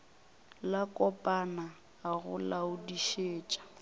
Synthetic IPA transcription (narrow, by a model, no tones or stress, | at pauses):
lakʼɔpʼanaː | ɣʊ̰laʊdiʃeːt͡ʃʼḁ